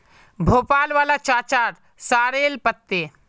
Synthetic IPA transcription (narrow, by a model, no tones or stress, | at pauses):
bʱoːpaːlʋaːlat͡ʃaːt͡ʃaːɾ | saːɾeːlpət̪ːe